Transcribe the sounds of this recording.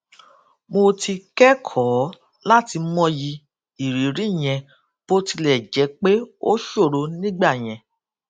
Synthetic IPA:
mo˧ti˧kɛ˦kʰɔ˨˦ | la˦ti˧˦mɔ̃˦ji˧ | i˨ɾi˨ɾi˨˦˨j̃ɛ̃˧ | b̥o˦ti˧lɛ˦˨d͡ʒɛ˨˦k͡pe˦o˦ʃo˦˨ɾo˨˦nĩ˦ɡ͡ba˦˨j̃ɛ̃˧

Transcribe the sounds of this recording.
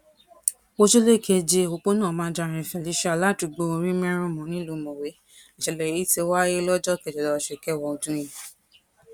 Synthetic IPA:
o˧ʃo˦le˦˨ke˧d͡ʒe˧o˧k͡po˦nãː˦˨mãː˨˦d͡ʒa˧˨ɾ̃ɛ̃˨fɛ˨li˨˦ʃa˦˨la˦˨ti˧ɡ͡bo˧o˧ɾĩ˦mɛ̃˦ɾ̃ũ˦mɔ̃˨˦nĩ˦lo˨˦mõ˨we˨˦ | i˨ʃɛ˧lɛ˨i˨˦te˧˦wa˦je˦lɔ˦d͡ʒɔ˦kɛ˧˨d͡ʒɛ˨lɔ˧˨ʃe˨kɛ˦˨wɔ˧o˧tũ˦ĩ˦˨

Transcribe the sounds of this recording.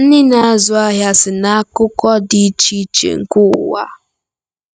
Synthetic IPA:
n̩˦nɪ˦na˨a˦zʊ˨a˦ɦja˦sɪ˨na˦a˦kʊ˦kɔ˦di˦t͡ʃi˦t͡ʃḛ˨ŋ̩˨kʊ̰˦˨wa̰˦

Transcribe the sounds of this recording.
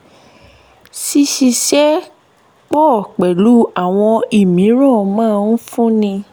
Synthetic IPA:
si˧ʃi˧ʃɛ˦ | k͡pɔ˦˨k͡pɛ˨lu˦a˦˨w̃ɔ̃˧i˨mĩ˨˦ɾɔ̃˦˨mãː˦˨˧n̩˦fũ˦nĩ˧

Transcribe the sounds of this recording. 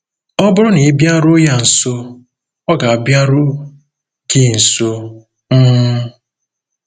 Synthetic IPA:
ɔ˦bʊ˦ɾʊ˦ni˨˦bja˦ɾʊ˦ja˨n̩˨so˦ | ɔ˦ɡa˨a˨bja˦ɾʊ˦ | ki˦˨n̩˨so˦ | m̩˦

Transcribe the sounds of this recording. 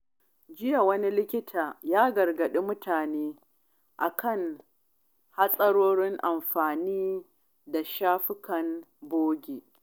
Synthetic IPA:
d͡ʒɪ˦ja˨wɐ˦ni˦lɪ˦kʲɪ˦tʰaː˨jaː˦ɡɐ˨rɡɐ˨ɗi˦mʊ˦tʰaː˨neː˦ | ʔa˨kʰɐ˦˨ŋ | ha˦sʼɐ˦ɽoː˦ɽɪ˦ŋʔa˨mɸaː˨niː˦ | da˨ʃaː˦ɸɪ˦kɐ˨n | boː˦ɡʲeː˨

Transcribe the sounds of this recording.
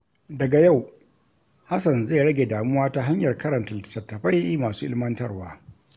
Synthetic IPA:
dɐ˨ɡa˨ja˦˨w | ha˦sɐ˨nza˦˨ɽɐ˦ɡʲe˨daː˨mʊ˦waː˦ta˦ɦa˦ɲjɐ˨rkɐ˦ɾɐ˨ntɐ˨tɐ˨tːɐ˨ɸa˦ji˦maː˨suː˦ʔɪ̰˦lmɐ˦ntɐ˦rwaː˦

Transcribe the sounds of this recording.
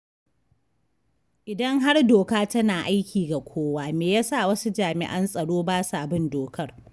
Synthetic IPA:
ʔɪ˨dɐ˦ŋɦa˦rdoː˨kaː˦tɐ˦naː˨ʔa˦jkʲʰiː˨ɡa˨kʷʰoː˦waː˦meː˨jaː˦sa˦˨wɐ˦su˦d͡ʒaː˨mɪ̰˨ʔɐ˦nsʼɐ˨ɽoː˦baː˦saː˨bɪ˦ndoː˨kʰɐ˦r

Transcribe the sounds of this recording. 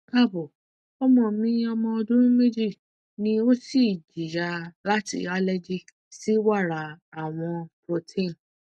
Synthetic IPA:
ka˦˨bo˨ | ɔ˦mɔ̃˧˨mĩ˦ɔ˧mɔ̃˧ɔ˧dũ˦ɾũ˦me˦d͡ʒi˦˨ | nĩ˧o˦si˦˨d͡ʒi˨ja˧la˦tḭ˧a˦lɛ˦d͡ʒi˦ | si˦wa˦˨ɾa˨a˨w̃ɔ̃˧pɾo˧tʰĩ˦˨n

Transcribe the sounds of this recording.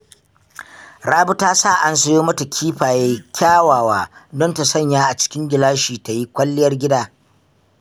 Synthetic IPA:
ɽaː˦bʊ˦taː˦saː˦˨ʔa˦nsɐ˦joː˦mɐ˦ta˨kʲʰiː˦ɸaː˨jeː˦kʲʰaː˦waː˨waː˦dɔ˦nta˨sɐ˦˨ɲjaː˦ʔa˨t͡ʃɪ̥˦kʲɪ˦ŋɡʲɪ˨laː˦ʃiː˨ta˨ji˦kʷɐ˦lːɪ˦jɐ˦rɡʲɪ˦daː˦

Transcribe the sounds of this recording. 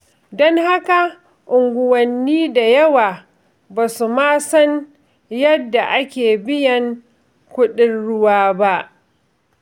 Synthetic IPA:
dɔ˦ŋha˦ka˨ | ʔʊ˨ŋɡʷʊ˨wɐ˨nːiː˦da˨jɐ˦waː˨ | baː˨su˨maː˦sɔ˦n | jɐ˦dːa˨ʔa˦kʲeː˨bɪ˦jɐ˨ŋ | kʷʊ˦ɗɪ˦nɽʊ˦waː˦ba˦ʔ

